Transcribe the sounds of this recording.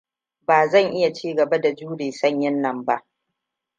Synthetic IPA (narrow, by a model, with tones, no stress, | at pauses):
baː˨zɐ˦˨ŋʔɪ˦ja˨t͡ʃiː˦ɡɐ˨ba˦da˨d͡ʒuː˦ɽeː˨sɐ˦˨ɲjɪ˦nːɐ˨mba˦ʔ